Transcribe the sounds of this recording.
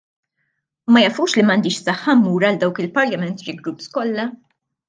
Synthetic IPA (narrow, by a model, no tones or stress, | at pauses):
mɐjɐʔfuːʃlimɐnd̪ɪːʃsɐħːɐmːuːɾɐld̪ɐwkɪlpɐɾlɐmɛnt̪ɾɪɡɾupskɔlːɐ